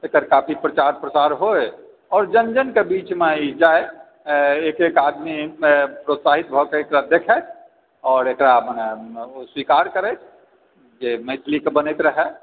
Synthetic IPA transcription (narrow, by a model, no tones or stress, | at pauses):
ekəɾkaːpʰipɾət͡ʃaːɾpɾəsaːɾɦoe | ɔːɾd͡ʒənd͡ʒənkebiːt͡ʃmeid͡ʒaːe | eːkekaːd̪mipɾot̪saːɦit̪̚bʱɔkeekɾad̪ekʰɛt͡ʃʰ | ɔːɾekɾamneswikaːɾkəɾɛt͡ʃʰ | d͡ʒemeɪt̪ʰlikebənet̪ɾəɦɛ